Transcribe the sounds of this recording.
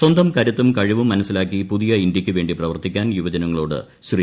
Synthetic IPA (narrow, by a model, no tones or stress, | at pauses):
swɐnd̪ɐmkɐɾut̪ːumkɐɻiʋumːɐnɐsːilaːkːipuðijɐind̪jɐkʲːɨʋe̞ːɳɖiprɐʋɐrt̪ikʲːaːnjuʋɐd͡ʑɐnɐŋːɐɭo̞ːɽɨ̰ | ɕri